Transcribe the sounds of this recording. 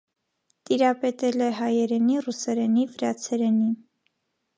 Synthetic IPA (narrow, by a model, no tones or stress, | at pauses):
t̪iɾɑpɛt̪ɛlɛɦɑjɛɾɛnirusɛɾɛnivəɾɑt͡sʰɛɾɛnin